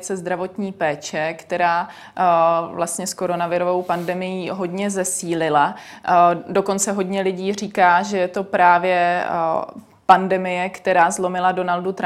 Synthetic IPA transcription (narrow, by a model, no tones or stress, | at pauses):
t͡sɛzd̪ɾavo̞t̪ɲiːpɛːt͡ʃɛkt̪ɛɾaː | vlast̪ɲɛsko̞ɾo̞navɪɾovo̞wpandɛmɪjiːɦo̞dɲɛzɛsiːlɪla | do̞ko̞nt͡sɛɦo̞dɲɛlɪɟiːr̝iːkaːʒɛjɛt̪o̞pɾaːvjɛ | pandɛmɪjɛkt̪ɛɾaːzlo̞mɪlado̞naldut̪ɾ